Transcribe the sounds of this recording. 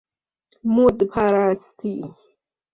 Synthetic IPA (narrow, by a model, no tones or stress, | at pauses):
mud̪pʰaɾast̪ʰi